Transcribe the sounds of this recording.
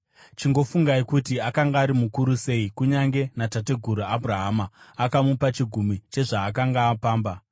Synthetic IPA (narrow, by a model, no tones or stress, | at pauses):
t͡ʃiŋɡo̞fuŋɡaikutiakaŋɡaːɾimukuɾuse̞ikuɲaŋɡe̞natat̬e̞ɡʱuɾuabʱuraɦaːmaːkamupat͡ʃiɡʱumit͡ʃe̞ʐaːkaŋɡaːpaːmba